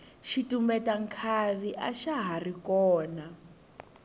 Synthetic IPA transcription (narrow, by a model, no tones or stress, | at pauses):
ʃitumbɛtaŋkʰaβiʔaʃaɦarikɔːna